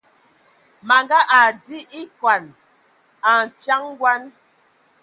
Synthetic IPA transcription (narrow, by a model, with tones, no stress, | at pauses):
ma˨ŋɡa˦ʔa˨di˦ʔi˦kwa˨n | a˨n̩˨t͡ʃa˦ŋ˦ɡwa˦n